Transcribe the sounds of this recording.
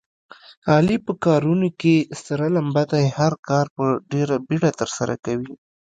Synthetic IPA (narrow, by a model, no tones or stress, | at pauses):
ɑlipəkɑɾunokest̪aɾalambad̪ahaɾkɑɾpəɖeɾabiɽat̪əɾsaɾa̰kawi